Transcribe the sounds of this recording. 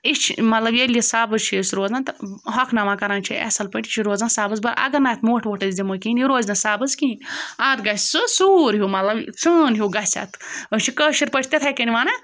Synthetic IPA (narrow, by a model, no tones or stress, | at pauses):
it͡ʃʰmɐt̪lɐbjelijisaːbɨzt͡ʃʰisɾoːznãnt̪ɐɾɦɐkʰnɐʋaːkɐɾaːnt͡ʃʰiʔɛ̰sɐlpɐʈʲit͡ʃʰiɾoːznasaːbɨzbɐɾʔɐ̰ɡɐnaːt̪ʰmoːʈʰʋoʈɐzzʲimokiːniɾoːzʲnɐsaːbɨzkĩːnʲaːt̪ɡɐt͡sɨsuːɾɦumɐt̪lɐbt͡sɨnɦuɡɐsʲa̰ːt̪ʰət͡ʃʰikəːʃiɾpɐʈʰʲt̪ʲet̪ʰɐkɐnʲiʋaːnɐ